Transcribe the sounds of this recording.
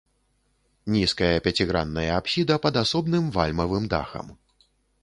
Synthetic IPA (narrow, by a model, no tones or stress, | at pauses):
nʲiskɐjɐpʲat͡sʲiɣɾanːɐjɐapsʲid̪ɐpɐd̪asɔbnɨmvalʲmɐvɨmd̪a̰xɐ̰m